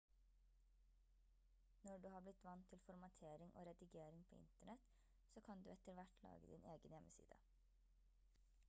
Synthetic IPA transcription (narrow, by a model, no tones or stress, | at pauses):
nɔɖʉːhɑːblɪt̪ʋɑnt̪ʰːɪlfɔɾmɑt̪ʰeːɾɪŋʔo̰ːɾɛd̪ɪɡeːɾɪŋpʰo̰ːɪ̰nt̪əɳɛt̪ | soːkʰɑnd̪ʉ̰ːɛt̪əɾʋæʈʰlɑ̰ːɡəd̪ɪ̰neːɡənjɛmːəsḭːd̪ə̰